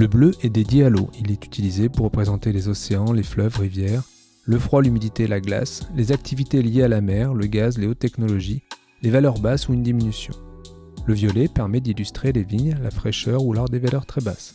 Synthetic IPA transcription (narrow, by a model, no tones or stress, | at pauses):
ləbløʔɛd̪ed̪jealo̰ilɛt̪y̥t̪ilizepuʁːəpχezɑ̃t̪elezɔseɑ̃leflœvʁivjɛːʁ | ləfχwalymid̪it̪elaɡla̰slezak̚t̪ʰivit̪eljealamɛʁləɡazleot̪ːɛknɔlɔʒi | levalœʁbasuynd̪iminysjɔ̰̃ | ləvjɔlɛpɛʁmɛd̪ilyst̪χeleviɲlafχɛʃœʁulaʁd̪evalœʁt̪χɛba̰s